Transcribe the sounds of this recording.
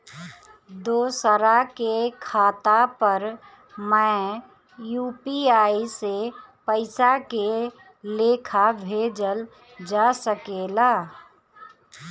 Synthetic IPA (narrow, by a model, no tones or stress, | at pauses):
d̪oːsəɾakekʰaːt̪apəɾ | mɛ̃ | juːpiaːisepəɪsake | leːkʰabʱeːd͡ʒəl | d͡ʒaːsəkeːlaː